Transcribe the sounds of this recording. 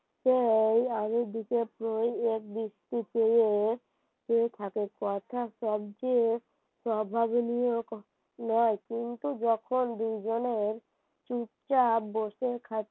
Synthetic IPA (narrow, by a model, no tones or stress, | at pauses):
ʃejamid̪ikepɾojek̚b̪ɾist̪ipeje | ket̪ʰakekɔt̪ʰaʃɔbt͡ɕe | pɾɔbʱabnijok | nɔekint̪ud͡ʑɔkʰond̪ujd͡ʑoneɾ | t͡ʃuʈt͡ɕaboʃekʰa